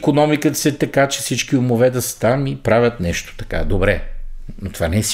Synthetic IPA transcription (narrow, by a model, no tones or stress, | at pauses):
konɔmikət̪sɛt̪ɐkat͡ʃɛ̥fsit͡ʃk̟iʊmovɛd̪ɐst̪amipɾavʲjət̪nɛʃt̪o̥t̪ɐ̥ka̰d̪obɾɛnot̪o̥vanɛɛs